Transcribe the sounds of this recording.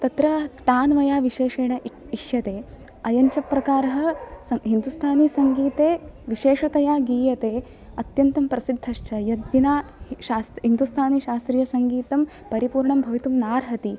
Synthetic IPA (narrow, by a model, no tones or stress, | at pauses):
t̪ɐt̪ɾɐt̪aːnʋɐjaːʋiʃeːʂeːɳɐ | iʃjɐt̪eː | ɐjɐɲt͡ʃɐpːɾɐkaːɾɐɦɐ̆sɐɦind̪ust̪ʰaːnisɐŋɡiːt̪eːʋiʃeːʂɐt̪ɐjaːɡiːjɐt̪eː | ɐt̪jɐnt̪ɐmpɾɐsid̪ʱːɐʃt͡ʃʰɐjɐd̪ʋinaːʃaːsɦind̪ust̪ʰaːniʃaːst̪ɾiːjɐsɐŋɡiːt̪ɐm | pɐɾipuːɾɳɐmbʱɐʋit̪umnaːɾɦɐt̪i